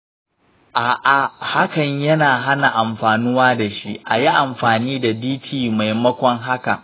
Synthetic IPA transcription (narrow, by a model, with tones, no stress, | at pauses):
ʔaː˨ʔa˨ha˦kɐ˨ɲjɐ˦naː˨ɦa˦na˨ʔa˨mɸaː˨nʊ˦waː˦da˨ʃi˦ʔa˨ji˦ʔa˨mɸaː˨niː˦da˨diː˦tʰiː˨ma˨jmɐ˦kʷɔ˦ŋɦa˦ka̰˨ʔ